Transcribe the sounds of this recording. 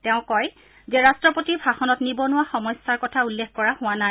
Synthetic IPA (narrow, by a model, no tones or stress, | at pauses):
tɛʊ̃kɔj | zɛɹastɹɔpotibʱaxɔnɔtnibɔnʊwaxɔmɔjsːaɹkɔtʰaulːexkɔɹahʊanaj